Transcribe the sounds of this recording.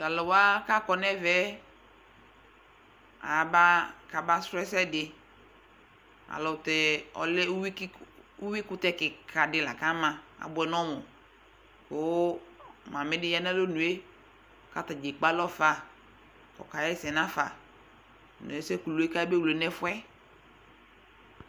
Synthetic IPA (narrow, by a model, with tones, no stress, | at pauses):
ta˨lɔ˨wa˦ka˦kɔ˨nɛ˦vɛ˦ | a̰˨ba˦ka˨ba˦sɾɛ˦sɛ˦dɪ˨ | a̰˨lɔ˨tɛ˨ɔ̰˨lɛ˦wi˦u˦wi˦kʊ˦tɛ˦kɪ˨kʰa˨dɪ˨˦la˨ka˦mã˨a̰˨bʊ˨ɛ˨nɔ̃˦mʊ˨ | ko˨˦mã˨mɪ˦dɪ˦ja˦nɛ˦lo˦nũ˨e˦˨ | ka˨ta˨d͡ʒe˨k͡pa˦lɔ˦fa˦˨ | kɔ̰˨ka˨jɛ˦sɛ˨nã˦fa˨ | nɔ̰˨e˦sɛ˦ku˨lo˨˦e˦ka˦be˦wle˨nɛ˦fʊ˦ɛ˦